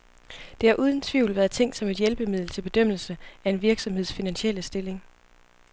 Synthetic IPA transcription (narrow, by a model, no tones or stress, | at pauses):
d̥e̝hɑ̈ʔuːð̞ˠən̩t͡sʰʋḭʊ̰lʋæːɐðˠt͡sʰeŋ̰d̥sɒ̽me̝d̥jelb̥əmið̞ˠl̩t͡sʰe̝lb̥e̝d̥øm̰l̩səæe̝nʋiɐɡ̥sɒ̽mhḛsfinænɕel̰əsd̥e̝le̝ŋ